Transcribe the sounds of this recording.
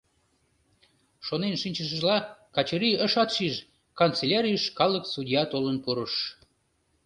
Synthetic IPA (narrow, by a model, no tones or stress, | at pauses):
ʃonenʃinʲt͡ɕəʃ̬əʒlɑkɑt͡ɕəɾiəʃɑt̪ʃiʒ | kɑnt͡selʲɑɾʲijəʃkɑlˠəksud̪ʲijɑt̪olənpuɾəʃ